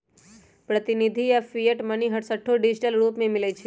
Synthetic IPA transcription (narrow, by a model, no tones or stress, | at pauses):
pɾət̪inid̪ʱiafijəʈməniɦəʈsəʈʰːoɖid͡ʒiʈəlɾupmemilet͡ʃʰe